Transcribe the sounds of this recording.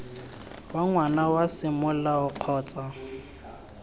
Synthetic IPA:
waŋwanawasɪmʊlaʊq͡χʰɔːt͡sʼa

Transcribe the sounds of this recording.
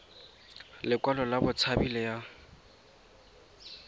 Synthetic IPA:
lɪkwalɔlabʊt͡sʰabilɛja

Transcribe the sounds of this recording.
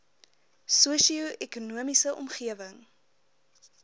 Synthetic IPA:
suəsioʔɛkunuəmisəʔɔ̰mχiəvəŋ

